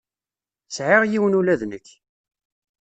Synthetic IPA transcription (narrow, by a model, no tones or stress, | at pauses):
sʕɪʁjiwənulæðnəç